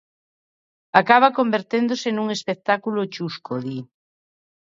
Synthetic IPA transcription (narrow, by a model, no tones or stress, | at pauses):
akaβakombeɾt̪end̪osenuŋespek̚t̪akulot͡ʃuskoði